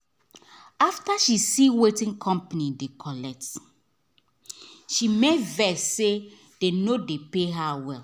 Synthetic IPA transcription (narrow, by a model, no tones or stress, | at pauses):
aftaʃisiwetĩŋkʰɔ̃mpanidekʰɔlɛk̚t | ʃimevɛsːe | d̥enodepeɦawɛl